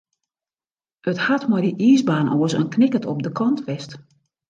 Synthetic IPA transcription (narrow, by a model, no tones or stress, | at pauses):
əthatmɔjdəʔiːzbaːnʔɔːəsə̰nknɪkətʰɔp̚dəkʰɔntʋɛst